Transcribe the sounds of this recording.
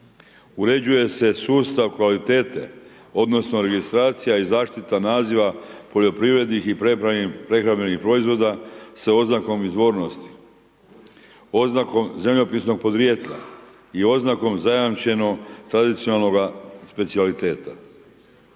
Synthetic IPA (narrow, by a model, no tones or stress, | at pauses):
uɾe̞d͡ʑuje̞se̞suːst̪aʋkʋalit̪e̞ːt̪e̞̰ | o̞d̪no̞sno̞ɾe̞ɡist̪ɾaːt̪sijaizaːʃt̪it̪anaːziʋapo̞ʎo̞pɾiːʋɾe̞d̪nixipɾeɾapɾe̞xɾamenixpɾo̞izʋo̞d̪aseo̞znako̞mizʋoːɾno̞st̪i̥ | oznako̞mzemʎo̞pisno̞ɡ̚po̞d̪ɾje̞t̪ʎa̰ | io̞znako̞mzajamt͡ʃe̞no̞ɡt̪ɾad̪it̪sionalˠno̞ɡaspe̞t̪sialit̪e̞ːt̪a